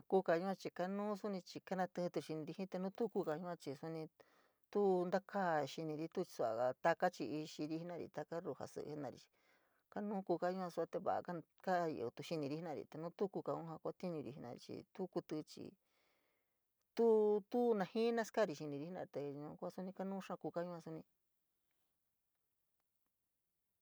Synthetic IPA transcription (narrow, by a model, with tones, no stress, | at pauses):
ku˦ka˧ɲũ˦ã˧t͡ʃi˧ka˧nũː˦su˦nĩ˧t͡ʃi˧ka˦nã˧t̪ɨ̃˧t̪u˧ʃi˧nĩ˧ɾi˧hĩ˦t̪e˧nũː˦t̪u˦ku˧ka˧ɲũ˧˦ã˧t͡ʃi˧su˧nĩ˧ | t̪u˦nd̪a˦kʰa˦˨˧ʃi˧nĩ˧ɾi˧˦t̪u˦t͡ʃi̥˧su˧a̰˧a˧t̪a˧ka˦t͡ʃi˧i˧ʃi˧ɾi˧˦hi˧˦nã˦˧ɾḭ˧t̪a˧ka˦ɾu˧ha̰˨sɨ̰˧ʔnã˧˨ɾḭ˧t͡ʃi̥˧ | ka˦nũ˦ku˧ka˧ɲũ˧˦ã˧su˧a˧t̪e˧βa̰˨a̰˧ka˦ | ka˦˧o˧t̪u˧ʃi˧nĩ˧ɾi˧˦i˦nã˧˨ɾḭ˨t̪e˨nũ˦t̪u˦ku˧ka˧ũ˦hã˧kʷa˦t̪i˦ɲũ˧ɾi˧i˧nã̰˧ɾḭ˧t͡ʃḭ˧t̪u˦ku˧t̪ɨ˧t͡ʃḭ˧ | t̪u˦t̪u˦nã˧hĩ˦nã˦ska˦˨ɾi˧ʃi˧nĩ˧ɾi˦i˦nã̰˧t̪e˨˧ɲũ˧kʷa˦su˦nĩ˧ka˦nũː˦ʂã˦˧kuː˧ka˦ɲũ˧˦ã˧su˧nĩ˧